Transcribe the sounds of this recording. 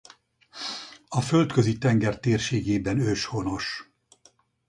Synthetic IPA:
ɒfølt̪køzit̪ɛŋɡɛrt̪eːrʃeːɡeːbɛnøʃho̞no̞ʃ

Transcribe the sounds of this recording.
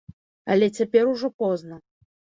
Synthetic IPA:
ɐ̰lʲɛt͡sʲapʲɛɾuʐɔpɔznɐ

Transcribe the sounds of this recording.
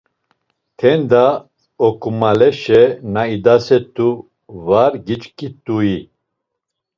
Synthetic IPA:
t̪ʰɛnd̪a | ɔkumalɛʃɛnaid̪asɛt̪u | vaɾɡit͡ʃkit̪uji

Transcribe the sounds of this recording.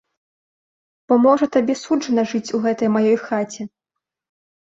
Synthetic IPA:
b̥ɔmɔʐɐt̪abʲɛsud͡ʐʐɐnɐʐɨt͡sʲuɣɛt̪ɐjmajɔjxat͡sʲɛ

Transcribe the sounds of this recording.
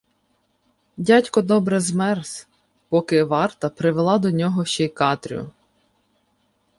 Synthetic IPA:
dʲatʲkɔd̪ɔbɾɛzmɛrs | pɔkɪʋɑrt̪ɐpɾɪʋelˠɑd̪ɔnʲɔɦɔʃt͡ʃɛjkɑt̪ɾ̰ʲʊ̰

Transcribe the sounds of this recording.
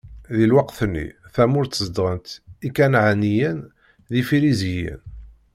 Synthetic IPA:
ðilwɑqθənːḭθæmʊɾt̪ːzd̪ʁənt̪ikænʕanijən | ðifiɾizijə̰n

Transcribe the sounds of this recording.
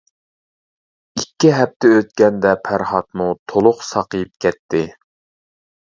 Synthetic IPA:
ikʲʰːiɦɛp̚t̪ʰɛøt̪̚kʲɛnd̪ɛpʰæɾχɑt̪mut̪ʰolˠʊqsɑqəjip̚kʲʰɛt̪ʰːɪ

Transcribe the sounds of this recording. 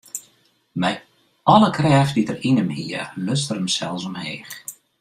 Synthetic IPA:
mɛj | ɔləkʰrɛːfditərinəmhiəløstəɾəmsɛlˠsɔmheːx

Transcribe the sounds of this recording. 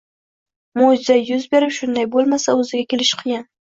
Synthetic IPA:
mod͡ʒzajːʊzbeɾɪpʃʊnd̪ajbolˠmasaʊzɪɡʲakʲelɪʃqʰijan

